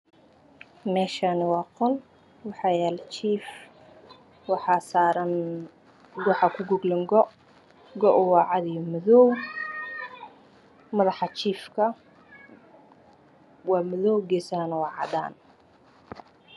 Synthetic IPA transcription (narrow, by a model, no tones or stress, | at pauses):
mɛːʃanɪwɑːqɔl | wɑħɑːjaːlt͡ʃʰiːf | wɑħɑːsaːɾɐn | ɡɔːħɑkʰʊɡʊɡlɐŋɡɔʔ | ɡɔʔʊwɑːʕɑd̪ijɔmɔðɔːw | mɐðɑħɑt͡ʃʰiːfkʰɐ | wɑːmɐðɔwɡɛːsɐhɐnɐwɑːʕɑ̰d̪a̰ːn